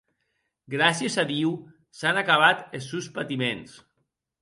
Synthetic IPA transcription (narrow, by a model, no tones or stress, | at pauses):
ɡɾasjezaðiw | sanakaβat̪esuspat̪imens